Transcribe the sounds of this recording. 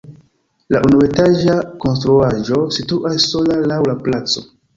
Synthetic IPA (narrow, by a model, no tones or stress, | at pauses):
la̰ʔunue̞taʒako̞nstɾuaʒo̞situʔasːo̞lalawlaplat͡so̞̰